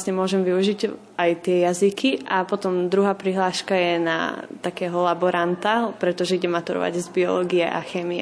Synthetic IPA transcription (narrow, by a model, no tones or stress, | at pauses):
sɲɛmʊɔʒɛmʋiuʒiɟ | ajt̪ɪɛjazikʰiʔapɔt̪ɔmd̪ɾuɦaːpɾiɦlaːʃkajɛna̰t̪akɛːɦɔlabɔɾant̪apɾɛt̪ɔʒɛiɟɛmat̪uɾɔ̰ʋa̰ɟzbiɔlɔɡiɛʔaxɛːmiɛ